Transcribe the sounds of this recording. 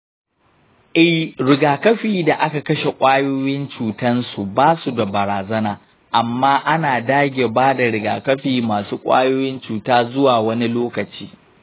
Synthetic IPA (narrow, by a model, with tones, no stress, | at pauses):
ʔɛ˦ɾɪ˨ɡaː˨kɐ˦ɸiː˨da˨ʔa˦ka˨kɐ˦ʃe˨kʷʼaː˦joː˦jɪ˦nt͡ʃuː˨tɐ˦nsu˨baː˦su˨da˨bɐ˨ɾaː˨zɐ˦naː˨ | ʔa˨mːaː˦ʔa˦naː˨daː˦ɡʲe˨baː˦da˨ɾɪ˨ɡa̰ː˨kɐ˦ɸiː˨maː˨suː˦kʷʼa̰ː˦joː˦jɪ˦nt͡ʃuː˨taː˦zʊ˦waː˨wɐ˦ni˦loː˦kɐ˨t͡ʃiː˦